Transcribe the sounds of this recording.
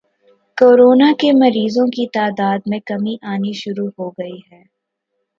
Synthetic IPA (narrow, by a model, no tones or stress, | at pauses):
koːɾoːnakemɐɾiːzõkit̪aːd̪aːd̪mẽkɐmiʔaːniʃʊɾuɦoɡɐiɦɛː